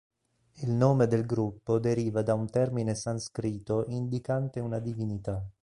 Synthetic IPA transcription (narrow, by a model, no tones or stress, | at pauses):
ilnoːmed̪elɡɾupːod̪eɾiːvad̪aunt̪ɛrminesanskɾiːt̪ːoʔind̪ikant̪eunad̪ivinit̪a